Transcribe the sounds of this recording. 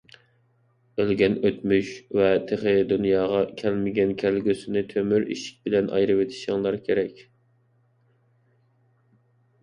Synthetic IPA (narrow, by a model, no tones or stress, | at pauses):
ølɡʲɛnøt̪myʃvɛt̪ʰeχɪd̪unjɑːʁɑkʲʰælmɪɡʲɛnkʲʰælɡʲysɪnɪt̪ʰømyɾḭʃi̥k̚ʲbɪlɛnʔɑ̰jɾɨwet̪ʰɪ̥ʃɪŋlˠɑɾkʲʰeɾɛkʲ